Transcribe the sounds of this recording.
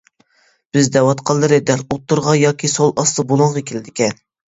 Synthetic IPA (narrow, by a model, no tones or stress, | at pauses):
b̥ɪzd̪ɛwɑt̪qʰɑlˠːɨɾɪd̪ɛɾot̪ːuɾʁɑjɑːkʲʰisolˠʔɑst̪ɨbolˠʊɴʁɑkʲʰilɪd̪ɪkʲɛn